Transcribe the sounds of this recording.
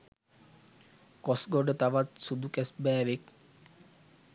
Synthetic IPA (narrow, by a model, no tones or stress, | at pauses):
kɔsɡɔɖet̪aʋat̪̚ʃud̪ʱukɛsbɛːʋek̚